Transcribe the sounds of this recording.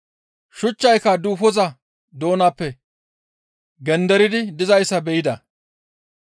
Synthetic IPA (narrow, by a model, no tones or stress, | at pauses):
ʃʊt͡ʃːɐjkɐd̪uːfɔzɐ | d̪o̞ːnaːpːɛ | ɡɛnd̪ɛɾɪd̪ɪd̪ɪzɐjsːɐbɛjɪd̪ɐ